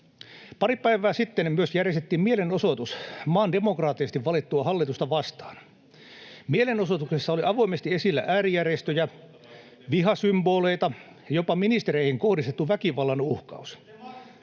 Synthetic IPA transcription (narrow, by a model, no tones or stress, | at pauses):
pɑripæiʋæːsit̪ːenmyøsjærjest̪et̪ːiːmmielenosot̪usmɑːndemokrɑːt̪ːˑisest̪iʋʋɑlit̪ːuɑhɑlːit̪ust̪ɑʋɑst̪ɑ̥ːn | mielenosot̪uksesːɑoliʔɑʋoimest̪iesilːæ̰ʔæːrijærjest̪øjæ | ʋiɦɑsymboːleit̪ɑ | jopɑminist̪eɾeihiŋkohdist̪et̪ːuʋækiʋɑlːɑnuhkɑ̰us